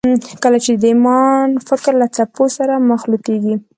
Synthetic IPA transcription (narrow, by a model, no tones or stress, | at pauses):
kəlat͡ʃed̪əimɑnfɪkɾlat͡saposaɾamaxlut̪eɡi